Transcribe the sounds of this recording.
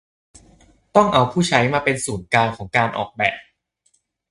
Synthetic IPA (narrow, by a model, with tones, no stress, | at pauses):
t̪ɔ˥˩ŋʔa˧wpʰuː˥˩t͡ɕʰa˦˥jmaː˧pe˧nsuː˩˦nkaː˧ŋkʰɔː˩˦ŋkaː˧nʔɔ̰ː˨˩k̚bɛː˨˩p̚